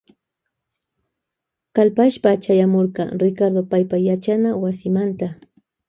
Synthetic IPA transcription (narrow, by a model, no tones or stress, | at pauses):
kalpaʃpat͡ʃajamoɾɢɑɾɪkaɾd̪opajpajat͡ʃanawasɪmant̪a